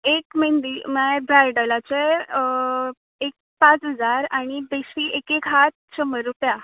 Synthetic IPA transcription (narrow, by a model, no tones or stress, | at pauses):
ekmend̪iməbɾajɖəlat͡se | ek̚pãt͡sɦəd͡zaɾaɽ̃ibeɕiʔekekɦat̪̚ɕəməɾːupja